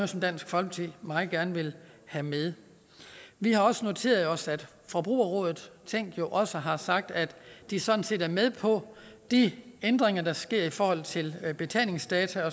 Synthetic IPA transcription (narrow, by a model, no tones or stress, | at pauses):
sɒ̽md̥æn̰sɡ̥fɒ̽lb̥t͡sʰḭmɑ̈ːð̩ˠɡ̥æɐnəʋe̝l | hæmeð̞ˠ | ʋihɑ̈ɒ̽səno̝t͡sʰe̝̰ːɐðˠɒ̽sæd̥ | fɒ̽b̥ʁṵːɐʁɔ̰̽ːðˠð̩ˠt͡sʰeŋ̰ɡ̥jo̝ʔɒ̽səɦɑ̈sɑ̈ɡ̥̚d̥æd̥ːisɒ̽d̥n̩se̝ːdæɐmeð̞ˠpʰɒ̽d̥iend̥ʁeŋɐd̥ɑ̈sɡ̥e̝ɐ̰ifɒːhɒ̽l̰t͡sʰe̝lb̥e̝t͡sʰɛ̰ːne̝ŋsd̥ɛːt͡sʰæɒ̽